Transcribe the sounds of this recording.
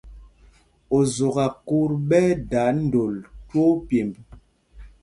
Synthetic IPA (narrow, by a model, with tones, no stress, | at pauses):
o˨zo˨ɣa˨ku˦ɾɓɛ˦da˨˦n̩˦do˨lto˦pje˨mb